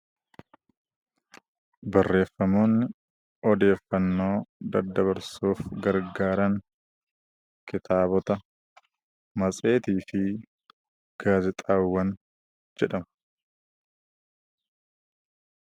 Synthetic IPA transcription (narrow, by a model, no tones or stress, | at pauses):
bɐrːe̞ːfːɐmo̞ːnːɪ | ɔd̪e̞ːfːɐnːo̞ːd̪ɐd̪ɐβɐɾsuːfɡɐɾɡaːɾɐŋ | kɪt̪ʰaːbɔt̪ɐ | mɐt͡sʼe̞ːt̪iːfɪ | ɡ̥aːzɪt̪ʼaːwːɐn | d͡ʒd͡ʒɛᶑɐmɐ̥